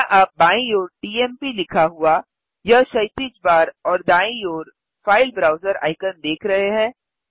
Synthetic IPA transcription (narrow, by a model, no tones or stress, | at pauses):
ʔaːp̚baːĩjoːɾʈiːɛːmpilɪkʰaɦua | jɐʃɐɪt̪it͡ʃbaːɾɔːɾd̪aːĩjoːɾ | faːɪlbɾaːʊzəɾa̰ːɪkənd̪eːkʰɾɐɦeɦɛ̃ː